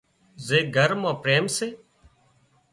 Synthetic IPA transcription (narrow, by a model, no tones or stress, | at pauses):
zeːɡʱəɾmãːpɾeːmseː